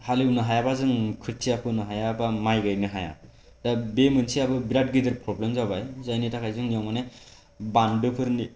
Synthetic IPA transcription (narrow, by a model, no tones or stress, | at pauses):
haliwnɯɦajabazɯŋkʰɯɾsʰijapʰɯnɯɦajabamajɡɯjnɯɦaja̰ | dabemɯnsiabɯbiɾat̚ɡidɯɾpʰɾɔblemzawbajzajnitʰakʰajzɯŋnijɔŋmane | bandɯpʰɯɾni